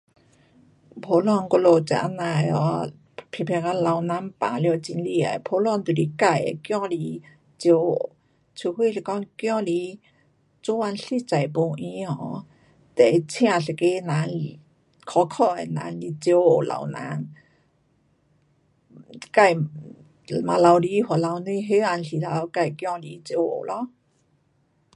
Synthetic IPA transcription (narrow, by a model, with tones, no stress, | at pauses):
pʰo˨˧˦lɔ˧˨nko˧lo˧˨t͡sa̰˧˨ʔa̰˧˥na˧jɔ˧˦ | pʰi˧˩pʰɛ˧ka˧la˧wnã˧˦˥mpã̰˨ljo˧t͡ɕi˧˦nli˧˨a̰˨˩pʰo˧˦lɔ˧˨nt̪u˨˩li˧˦ka˧˩˨j̰kjɔ̃˥˧˨li˧˦ | t͡ɕjo˧˦o˨ | t͡sʰu˧hwi˥˧˨ɬi˧˩kɔ˧˥ŋkjɔ̃˥˧˨li˧˦ | t͡so˧˦wa˧nɬi˥˧˨t͡ɕa˨˩˨jpo˧ŋʔĩ˧˦ɔ̃˧˨˦ | t̪ɛ˨˩˧t͡sʰj̃ã˧˨ɬe˨˩ke˧˦nã˧˦n˧ | kʰɔ˧˦kʰɔ˥˧e˨˩nã̰˧˦nli˧t͡ɕjo˧o˨˩la̰˨˩wnã̰˧˦n | ka˧˨j | mã˨˧˨la˧wli˧hwa˨˩la˧wnwĩ˧ɦe˦a˧nɬi˨la˧˦wka˧˩jkjɔ˥˧ŋli˧˦t͡ɕjo˧o̰˨˩lʔɔ˧˦